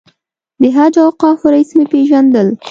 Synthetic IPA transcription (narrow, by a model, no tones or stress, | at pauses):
d̪əɦad͡ʒawqɑfʊɾaismepeʒand̪əl